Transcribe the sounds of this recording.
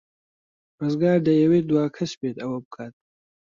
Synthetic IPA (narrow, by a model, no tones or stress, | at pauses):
rɨzɡaːɾd̪ɐjɐweːd̪waːkʰɐsbeːt̪ɐwɐbɨkʰaːt̪̚